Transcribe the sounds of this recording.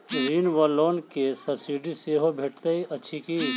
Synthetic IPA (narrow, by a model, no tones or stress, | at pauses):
ɾiːnʋaloːnkesəɾsiːɖiseɦobʱeːʈt̪eiɐːʃʰiki